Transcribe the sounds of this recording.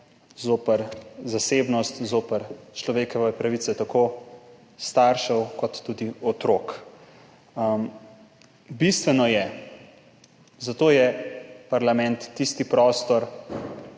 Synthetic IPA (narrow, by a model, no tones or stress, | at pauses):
zoːpəɾzasebnɔst̪zoːpəɾt͡ʃlɔʋeːkɔʋɛpɾaʋit̪sɛt̪ako | st̪aɾʃɛwkɔt̪ːud̪iɔt̪ɾoːk | m | bist̪ʋɛnɔjɛ | zat̪oːjɛpaɾlamɛ̃nt̪ːist̪ipɾɔːst̪ɔɾ